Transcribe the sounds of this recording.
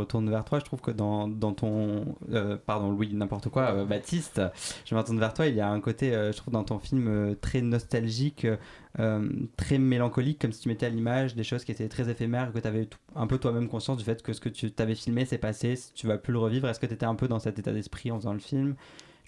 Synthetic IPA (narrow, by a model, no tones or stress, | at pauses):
ət̪uʁnvɛʁt̪waʒət̪χuvkəd̪ɑ̃d̪ɑ̃t̪ʰɔ̃øpaʁd̪ɔ̃lwinɛ̃pɔʁt̪əkwaøbat̪ʰist̪ʒ̥əmɑ̃t̪ɑ̃nvɛʁt̪wailjaɛ̃kot̪eøʒət̪χuvd̪ɑ̃t̪ɔ̃filmøt̪χɛnɔst̪alʒikʰø | ømt̪χɛmelɑ̃kɔlikːɔmsi̥t̪ymet̪ɛalimaʒd̪eʃozkʲiet̪ɛt̪χɛzefemɛʁekət̪yavɛt̪u̥ɛ̃pøt̪wamɛmkɔ̃sjɑ̃sd̪yfɛt̪kəsə̥kət̪ʰyt̪avɛfilmesɛpasest̪yvaplyləʁəvivʁɛskət̪yet̪ɛɛ̃pød̪ɑ̃sɛt̪et̪a̰d̪ɛspχiɑ̃vəzɑ̃ləfilm